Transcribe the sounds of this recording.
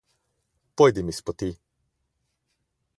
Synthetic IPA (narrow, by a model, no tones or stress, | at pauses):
pojd̪imispot̪i